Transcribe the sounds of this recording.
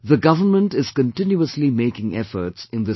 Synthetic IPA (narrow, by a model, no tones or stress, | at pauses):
ðəɡʌvəmə̃nʈɪz̥kə̃ntɪ̃njuəslimeɪkɪ̃ŋɛ̰fə̰˞tsɪ̃nd̪ɪ